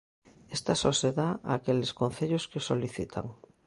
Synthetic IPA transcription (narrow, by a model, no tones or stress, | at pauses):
est̪asɔseðaa̰keleskon̟θeʎoskesoliθit̪ʰa̰ŋ